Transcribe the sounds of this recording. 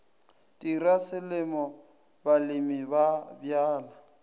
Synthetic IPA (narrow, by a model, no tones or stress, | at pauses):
tʼirasɪlɪmɔ | balɪmibabjaːla